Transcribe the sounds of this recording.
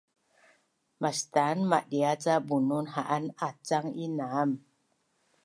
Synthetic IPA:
mastanmaʔɗiat͡sabununhaʔanat͡saŋinaam

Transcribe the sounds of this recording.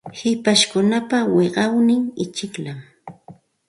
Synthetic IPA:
hɪpaʃkʊnapaweɢɑwnɪŋɪt͡ʃɪklam

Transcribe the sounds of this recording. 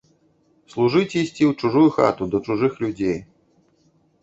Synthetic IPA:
slˠuʐɨt͡sʲɛisʲt͡sʲiwt͡ʂuʐujuxa̰t̪ud̪ɐt͡ʂuʐɨxlʲud͡zʲej

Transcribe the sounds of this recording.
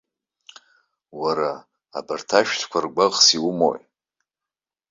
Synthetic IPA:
waɾa̰ː | bartʰaʃᶣtʰkʷʰarɡʷaʁʼsiumo̰j

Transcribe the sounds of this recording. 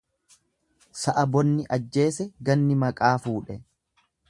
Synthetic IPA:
sɐʔɐbɔnːɪʔɐd͡ʒːe̞ːsɛɡɐnːɪmɐkʼaːfuːᶑɛ

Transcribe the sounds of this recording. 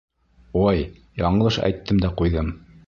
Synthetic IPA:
ojjɑɴɤlˠɤʃæ̰jt̪ːɘmd̪æqujðɤm

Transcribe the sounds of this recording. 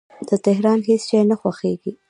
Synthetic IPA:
d̪̥ət̪ɪɦɾɑnɦesʃɑjnaxwaxeɡi

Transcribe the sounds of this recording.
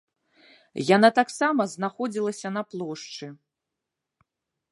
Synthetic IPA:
janat̪aksamɐznaxɔd͡zʲilˠɐsʲɐn̪ɐplˠɔʂt͡ʂɨ

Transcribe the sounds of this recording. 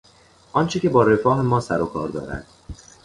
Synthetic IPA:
ʔɒːnt͡ʃʰecʲe̞bɒːɾe̞fɒːɦemɒːsæɾokʰɒːɾd̪ɒ̰ːɾæ̰d̪̥̚

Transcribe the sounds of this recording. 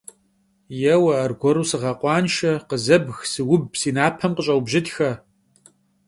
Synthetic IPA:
jɛwɐːrɡʷɔɾuːsɨʁɐqʷʼɑːnʃɐqəzɐbxsɨwʊb̚siːnaːpʰɐmqəɕʼɐwbʒɪtxɐ

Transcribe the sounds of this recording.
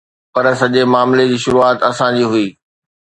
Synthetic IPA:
pɐɾsɐʄemaːmled͡ʑiːʃʊɾuaːt̪ɐsãd͡ʑiːɦʊiː

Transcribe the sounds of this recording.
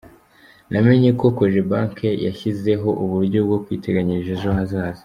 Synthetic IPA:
nʔame̞ɲeko̞koʒebaːŋkeja̰çize̞ɦo̞ʔuβuɾɟob̚ɡo̞kwiːtʰe̞ɡaɲiʒeʒoɦazaːzi̥

